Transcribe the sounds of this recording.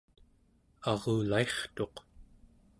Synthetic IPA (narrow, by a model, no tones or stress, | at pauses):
ɑʁuːlae̞χt̪o̞q